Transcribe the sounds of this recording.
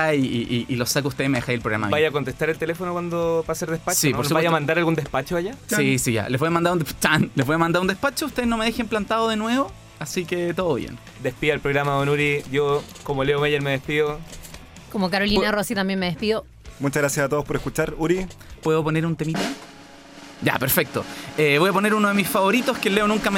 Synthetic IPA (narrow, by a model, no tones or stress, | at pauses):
iiiʔilosak̬out̪eemeexajelpɾoɣɾama̰mjbajakont̪est̪aɾelt̪elefonokwand̪opaseɾðespat͡ʃsipoɾsubjamand̪aɾalɣund̪ehpat͡ʃoajasisiʝa̰levojamand̪aɾund̪t͡ʃanlevojamand̪aɾund̪ehpat͡ʃouht̪eeznome̞ð̞exemplant̪aðoðenwe̞βo | asiket̪oðoβjḛn | d̪espiðoalpɾoɣɾamaonuɾiʝo | komoleomeʎeɾmeðespiðo | komokaɾolinarosit̪ambjenmeepiðo | mut͡ʃaɣɾasjasat̪oospoɾeskut͡ʃaɾuɾipweðoponeɾunt̪emit̪o | ɟ͡ʝa̰peɾfek̚t̪o̰eβo̞japoneɾunoðemisfaβo̞ɾit̪oskeleonuŋkam